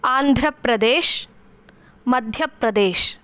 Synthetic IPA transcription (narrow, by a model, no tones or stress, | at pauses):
aːnd̪ʱɾɐpɾɐd̪eːʃ | mɐd̪ʱjɐpɾɐd̪eːʃ